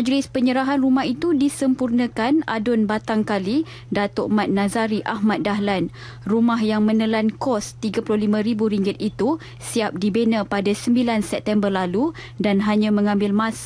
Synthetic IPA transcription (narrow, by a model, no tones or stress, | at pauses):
mad͡ʒlɪspəɲəɾaɦanrumahit̪udisəmpurnə̃kana̰dʊnbat̪aŋkali | dat̪oʔmãt̪̚nãzaɾiʔahmat̪̚daɦlan | rumaɦjaŋmə̃nəlankɔst̪iɡapulʊlimə̃ɾibuɾiŋɡɪt̪̚it̪u | siap̚dibenãpadasəmbilansɛp̚t̪ɛmbərlalu | danɦaɲãmə̃ŋãmbɪlmãs